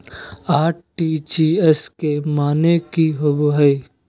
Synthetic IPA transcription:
aːʈ̚ʈit͡ʃiɛskemaːnekiɦoboɦəi

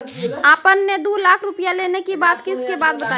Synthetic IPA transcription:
aːpənːed̪uːlaːkʰɾʊpijaleːnekibaːt̪kɪskebaːt̪̚bət̪a

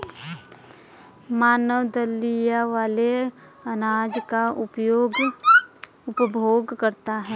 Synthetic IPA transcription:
maːnəwd̪əlːijaʋaːle | ɐnaːd͡ʒkaʊpjoːɡ | ʊpbʱoːɡkəɾt̪aɦɛː

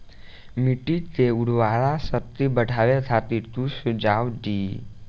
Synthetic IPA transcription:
miʈit̪euɽ̤ʋaɾasət̪ibəʈʰaʋet̪ʰat̪it̪usud͡ʒawɖiː

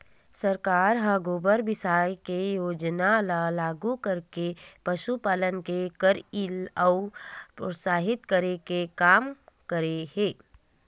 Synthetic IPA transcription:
səɾkaːɾɦaɡoːbəɾbɪsaːjkejoːd͡ʒnalalaːɡukəɾkepəʃupaːlənkekəɾiləʊpɾosaːɦɪt̪kəɾekekaːmkəɾeheː

